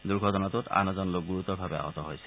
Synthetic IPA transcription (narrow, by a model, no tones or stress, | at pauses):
d̪uɾɡʱɔtɔnat̪ut̪a̰nɔzɔnlok̚ɡuɹut̪ɔbʱabea̰ɦɔt̪ɔɦojsʰɛ̥